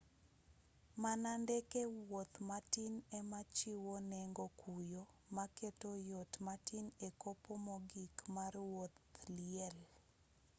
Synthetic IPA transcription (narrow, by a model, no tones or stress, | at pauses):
manandekewwot̪matinɛmat͡ʃiwonɛŋɡokujo | maketojotmatinekopomɔɡikmarwot̪liɛl